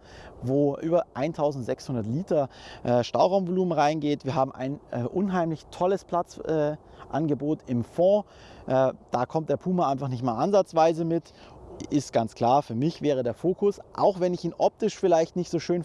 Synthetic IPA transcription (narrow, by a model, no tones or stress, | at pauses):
voːʔyːbɐʔaɪntʰaʊzn̩tz̥ɛkshʊndɐtliːtɐʔɛːʃtaʊʁaʊmvoluːmənʁaɪnɡeːtv̥iːɐɦaːbm̩ʔa̰ɪnʔɛʔʊnɦaɪmlɪçtʰɔləspʰl̥at͡sʔɛːʔanɡəboːtɪmfɔ̃ː | ʔɛd̥aːkʰɔmt̚d̥eːɐpʰuːməʔaɪnfaχnɪçtmaːlʔanzat͡sv̥aɪzəmɪt | ʔɪstɡ̥ant͡skl̥aːɐfyːɐmɪçv̥ɛːʁ̞ədeːɐfoːkʊsʔa̰ʊxvɛnɪçiːnʔɔp̚tɪʃfɪlaɪçtnɪçtz̥oːʃøːn